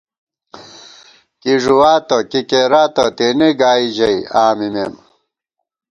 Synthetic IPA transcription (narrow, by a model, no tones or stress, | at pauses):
kiʐuwaːt̪ɐkikeɾaːt̪ɐt̪eneɡaːid͡ʑɐiaːmimḛːm